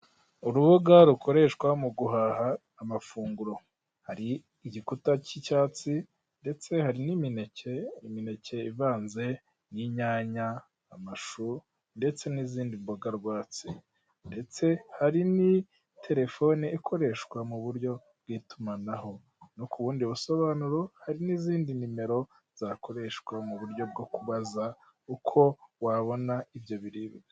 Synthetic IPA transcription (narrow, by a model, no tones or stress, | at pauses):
uɾuβuɡaɾuko̞ɾe̞ʃkwamuɡuɦaɦaː | mafuːŋɡuɾo̞ | haɾiː | ɟikutacicaːt͡si | nde̞t͡se̞haɾinimineceimine̞ce̞ivaːnze̞ | niɲaːɲaː | maʃu | nde̞t͡se̞niziːndimboɡaɾɡwaːt͡si | nde̞t͡se̞haɾini | tʰe̞ɾe̞fo̞niikʰo̞ɾe̞ʃkwamuβuɾɟo̞ | b̚ɡitumanaho̞ | nukuβuːndiuβuso̞βaːnuɾohaɾiniziːndinime̞ɾo̞ | z̥akʰo̞ɾe̞ʃkwamuβuɾɟo̞b̚ɡo̞kuβaza | ukʰo̞waβo̞naivjo̞βiɾiːβɡa